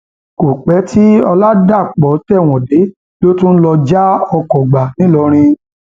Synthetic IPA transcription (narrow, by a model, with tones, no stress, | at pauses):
ko˨k͡pɛ˨˦ti˦ɔ˧la˦da˦˨k͡pɔ˨˦tɛ˦˨w̃ɔ̃˨de˨˦ | lo˦tũ˦n̩˦lɔ˧d͡ʒa˦ɔ˧kɔ˨ɡ͡ba˨nĩ˨˦lɔ˧˦ɾ̃ĩ˧